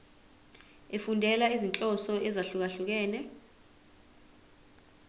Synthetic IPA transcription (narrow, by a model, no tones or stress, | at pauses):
efundʱɛlaizint͡ɬʼɔsɔɛzaɬuk̬aɬuk̬ɛːnɛ